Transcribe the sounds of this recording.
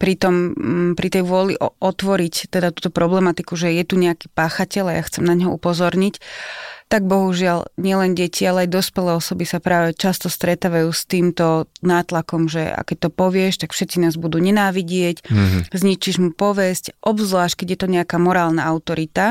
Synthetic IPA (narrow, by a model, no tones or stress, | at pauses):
pɾit̪ɔmpɾit̪ɛjʋʊɔlḭʔɔʔɔt̪ʋɔɾict̪ɛd̪at̪uːt̪ɔpɾɔblɛmat̪ikuʒɛjɛt̪uɲɛaki̥paːxacɛlajaxt͡sɛmnaɲɦɔupɔzɔɾɲict̪aɡ̚bɔɦuʒɪalɲɪɛlɛnɟɛcʰialɛajd̪ɔspɛlɛːɔsɔbisapɾaːʋɛt͡ʃast̪ɔst̪ɾɛt̪aːʋajuːst̪iːmt̪ɔnaːt̪lakɔmʒɛ̰a̰kɛc̚t̪ɔpɔʋɪɛʃt̪akfʃɛt̪t͡sinaːzbud̪uːɲɛnaːʋiɟɪɛczɲit͡ʃiʒmupɔʋɛscʔɔbzlaːʃkɛɟjɛt̪ɔɲɛakamɔɾaːlnaaʊt̪ɔɾit̪a